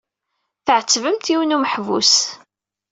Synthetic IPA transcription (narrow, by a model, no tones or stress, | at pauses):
θəʕət͡sːvəmt̪iwənuməħvṵs